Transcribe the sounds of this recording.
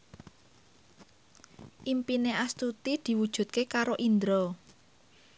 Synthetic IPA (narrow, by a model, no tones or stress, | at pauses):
ʔimpineʔast̪ut̪id̪̥i̤wud̥ʒ̥ṳt̪̚kekaɾoʔind̪ɾɔ